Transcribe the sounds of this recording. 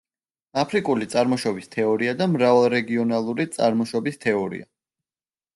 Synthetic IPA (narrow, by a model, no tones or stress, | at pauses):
apʰɾikʼulit̪sʼaɾmɔʃɔbist̪ʰɛɔɾiad̪amɾavalˠɾɛɡiɔnalˠuɾit̪sʼa̰ɾmɔʃɔbist̪ʰɛɔɾḭa̰